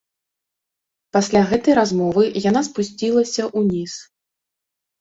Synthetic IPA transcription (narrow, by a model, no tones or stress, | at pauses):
pasʲlʲaɣɛt̪ɐjɾazmɔvɨjanaspusʲt͡sʲilˠɐsʲɐʔunʲis